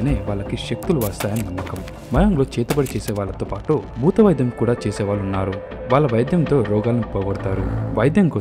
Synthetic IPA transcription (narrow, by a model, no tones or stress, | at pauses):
ineːʋaːɭːɐkiʃek̚t̪uluʋaːst̪aːjɐnnɐmːɐkɐmu | mɐjɐmloːt͡ʃɛːt̪ɐbɐɽit͡ʃɛːsɛːʋaːɭːɐt̪oːpaːʈubʱuːt̪ɐʋɐjd̪jɐmkuːɽaːt͡ʃeːsɛːʋaːɭunːaːɾu | ʋaːɭːɐʋɐjɐd̪jɐnt̪o̞ːɾɔːɡaːlɐnuipːoːjɐbɐɽt̪aːɾuʋɐjɐd̪jɐŋko